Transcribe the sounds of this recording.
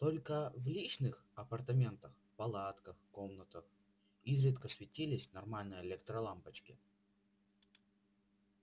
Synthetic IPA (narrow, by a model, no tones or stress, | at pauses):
t̪olʲkəvlʲit͡ɕnɨx | ɐpərt̪ɐmʲe̞nt̪əx | pɐlˠat̪kəxko̞mnət̪əx | izɾʲɪt̪kəsvʲɪtʲilʲɪsʲnɐrmalʲnəjəɪlʲek̚t̪ɾɐlˠampət͡ɕkʲɪ̰